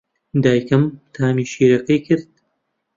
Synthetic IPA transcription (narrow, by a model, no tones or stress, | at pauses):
d̪aːjkɐmt̪ʰaːmiːʃiːɾɐkɐjkʰɨɾd̪̚